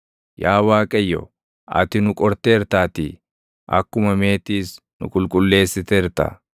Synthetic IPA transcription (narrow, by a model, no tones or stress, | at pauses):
jaːwaːkʼɐjːɔ̰ | ɐ̰t̪ɪnʊkʼɔɾt̪eːɾt̪aːt̪i | ʔɐ̰kːʊmɐmeːt̪iːs | nʊ̰kʼʊlkʼʊlːe̞ːsːɪt̪eɾt̪a̰